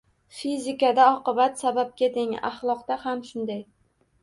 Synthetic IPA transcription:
fizɪkad̪aɒqɨbat̪sabap̚ɡʲad̪ɪŋa̰χlˠɒqt̪ahamʃʊnd̪aj

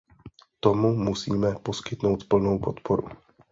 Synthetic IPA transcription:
t̪o̞mumusiːmɛpo̞skɪt̪no̞wt̪pl̩no̞wpo̞t̪pʰoɾṵ

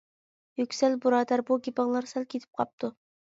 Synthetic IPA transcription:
jykʲsɛlbuɾɑːd̪æɾbuɡʲipɑʁlˠɑɾsɛlkʲʰet̪ʰɪ̥p̚qʰɑ̰p̚t̪ʰu

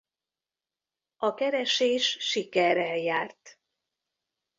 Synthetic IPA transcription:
ɒkɛɾɛʃeːʃːikɛɾɛjaːrt̪

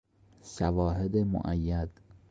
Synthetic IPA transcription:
sævɒːɦed̪emo̰ʔæjːæd̪̥

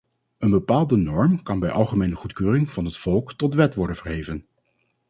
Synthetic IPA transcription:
ənbəpaːlˠdənɔɹmkɑnbɛjʔɑlˠχəmejnəχutkøːrɪŋv̥ɑnɦətfɔlˠktɔtʋɛtʋɔɹdənvəɹɦejvən

